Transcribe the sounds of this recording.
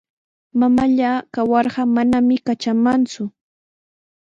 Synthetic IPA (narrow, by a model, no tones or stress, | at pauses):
mamaʎakawɑɾɢɑmanamɪkat͡ʃamant͡sʊ